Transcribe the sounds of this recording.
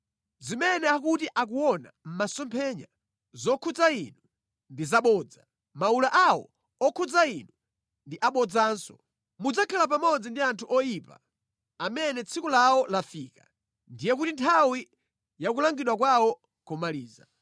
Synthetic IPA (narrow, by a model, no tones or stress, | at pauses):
zimɛnɛak̬utiʔak̬uwɔna̰m̩masɔmpʰɛɲa̰ | zɔkʰud͡zainu | ndizaɓɔːd͡za | maulaʔawɔ̰ | ɔkʰud͡zainu | ndiʔaɓɔd͡zaːnsɔ̰ | mud͡zakʰalap̬amɔd͡zindiantʰuʔɔjipa̰ | amɛnɛt͡sʰikulaɔlafiːka | ndijɛk̬utintʰawi | jak̬ulaŋɡiɗwak̬wawɔ | kɔmaliːza̰